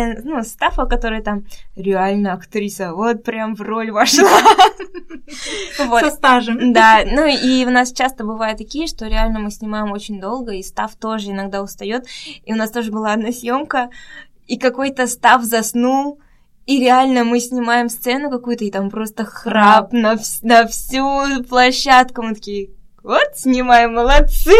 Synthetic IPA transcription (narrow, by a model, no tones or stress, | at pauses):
nnust̪afəkɐt̪o̞ɾɨjət̪amɾʲɪalʲnəɐkt̪ɾʲisəvo̞t̪̚pɾʲamvro̞lʲvaʂlˠə | vot̪st̪aʐɨd̪anuiʊnast͡ɕast̪əbɨvajʊt̪ːɐkʲijəʂt̪o̞ɾʲɪalʲnəmɨsʲnʲɪmajɪmo̞t͡ɕɪnʲd̪o̞lˠɡəist̪aft̪o̞ʐɨɪnɐɡd̪aʊst̪ɐjo̞t̪iʊnast̪o̞ʐɨɡɨlˠad̪nəjəsʲjo̞mkə | ikɐko̞jt̪əst̪afzɐsnulˠ | iɾʲɪalʲnəmɨsʲnʲɪmajɪmst̪sɛnʊkɐkujʊt̪əit̪ampɾo̞st̪əxrapnɐfsnɐfsʲuplˠɐɕːat̪kʊmɨt̪ɐkʲijə | vot̪sʲnʲɪmajɪmːəlˠɐt̪sɨ